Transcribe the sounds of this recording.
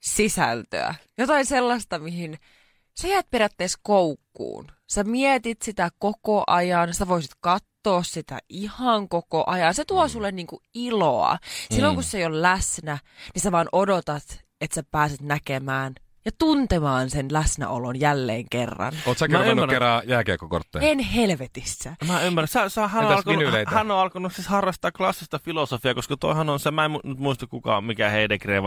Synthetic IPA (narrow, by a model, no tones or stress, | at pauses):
sisæ̰lt̪ø̰æ̰jot̪ɑinselːɑst̪ɑmihin | sæjæːt̪̚perjæt̪ːeːskoukːṵːnsæmiet̪it̪sit̪ækokoʔɑjɑnsi̥t̪æʋoisit̪kɑt̪ːoːssit̪æ̰ʔihɑŋkokoʔɑjɑnset̪uosulːenniːŋkuiloɑ̰silːoŋkusːeijollæsnæniseʋɑːnʔodot̪ɑt̪ | et̪sæpæːsit̪nækemæːn | jɑt̪unt̪emɑːnsenlæsnæ̰ʔolonjælːḛːŋkerːɑ̰noːt̪sækmmæmærerɑjæːkḛːkːoko̰rt̪ːḛːenɦelʋet̪isːæmæymːærsesehænoɑlkonulehænːoɑlkonussishɑrːɑst̪ɑːklɑsːist̪ɑfilosofiɑkoskɑt̪o̰ˑihɑnonsemæemunyt̪muist̪ɑkkukɑ̰mikæheˑidekrḛːʋ